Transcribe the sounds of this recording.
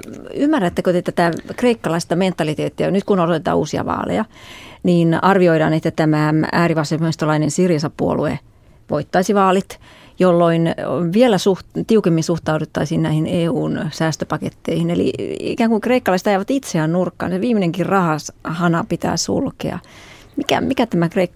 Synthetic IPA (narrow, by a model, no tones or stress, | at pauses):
ymːærːæt̪ːækøt̪et̪æt̪ækreikːɑlɑist̪ɑment̪ːɑlit̪eːt̪ːiɑnyt̪kunoot̪et̪ɑ̰ːṵːsiɑ̰ʋɑ̰ːlḛjɑniːnɑrʋioiɾɑ̰ːnet̪ːæt̪æmææ̰ːriʋɑsemɑist̪olɑinensirjɑsɑpːuo̰luḛ | ʋo̰it̪ːɑisiʋɑːlit̪ | jolːoinʋielæsuhtt̪iukemːinsuht̪ɑudut̪ːɑisiːnæihineːuːnsæːst̪øpɑket̪ːeihinelḭḭkæːŋkukreikːɑlɑiset̪ɑjæːʋɑt̪it̪seænnurkːɑ̰ːnseʋiːmineŋkirrɑhɑshɑnɑpit̪æ̰ːsṵlkḛɑ̰ | mikæ̰mikæt̪æmækreikː